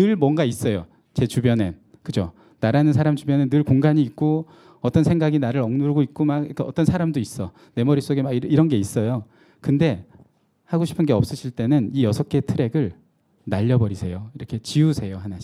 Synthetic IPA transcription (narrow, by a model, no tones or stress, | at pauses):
ɯɭmwʌnɡais͈ʌjo | t͡ɕe̞t͡ɕubjʌne̞ | kɯd͡ʑo | naɾanɯnsʰaɾamt͡ɕubjʌnenɯɭkoŋɡaɲiːk̚k͈o | ʌt͈ʌnsʰe̞ŋɡaɡinaɾɯɾʌŋnuɾɯɡoik̚k͈omaɡik͈ʌt͈ʌnsʰaɾamdois͈ʌ | ne̞mʌɾis͈oɡe̞maiiɾʌnɡe̞is͈ʌjo | kɯnde̞ | haɡoɕʰi̥pʰɯnɡe̞ʌp̚s͈ɯɕʰiɭt͈e̞nɯnijʌsʰʌk͈e̞tʰɯɾe̞ɡɯɭ | naʎːʌbʌɾisʰe̞joiɾʌkʰe̞t͡ɕiusʰe̞joɦanaɕ